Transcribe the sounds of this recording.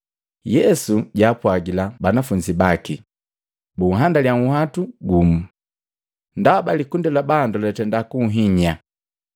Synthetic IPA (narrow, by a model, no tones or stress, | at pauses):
jɛsuɟaːpwaɡilabanafuɲd͡ʒibaki | buɦandaljaŋuhatuɡumu | ndaabalikundilabandulɛtɛndakuɦiɲa